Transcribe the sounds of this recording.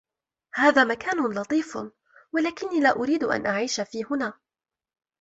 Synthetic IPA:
haːðaːmakaːnʊlɑt̪ˤiːf | walaːkɪnːiːlaːʔʊɾiːd̪ʔa̰nʔaʕiːʃafiːhʊnaː

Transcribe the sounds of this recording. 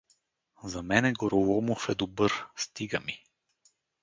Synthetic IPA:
zɐmɛnɛɡɔɾolˠɔmofɛd̪obɤɾst̪iɡəmi

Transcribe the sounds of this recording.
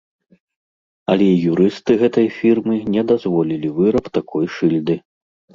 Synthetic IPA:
ɐlʲɛijuɾɨst̪ɨɣɛt̪ɐjfʲirmɨnʲɛd̪azvɔlʲilʲivɨɾɐpt̪akʰɔjʂɨlʲd̪ɨ

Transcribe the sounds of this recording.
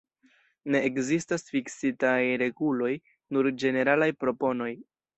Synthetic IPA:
ne̞ːkzistasfiksitajɾe̞ɡulo̞j | nuɾd͡ʒe̞ne̞ɾalajpɾo̞po̞no̞j

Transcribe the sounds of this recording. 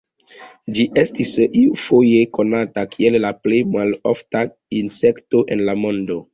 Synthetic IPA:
d͡ʒiʔestisiufojekonatakʰiellaplejmalo̰fta | insekto̞ʔenlamo̞ndo̞

